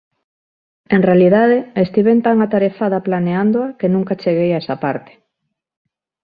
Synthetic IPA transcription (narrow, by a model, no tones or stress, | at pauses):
eŋrealiðaðeest̪iβent̪aŋat̪aɾeθaðaplaneand̪oakenũŋkat͡ʃeɣ̞ejaɛsapaɾt̪e̥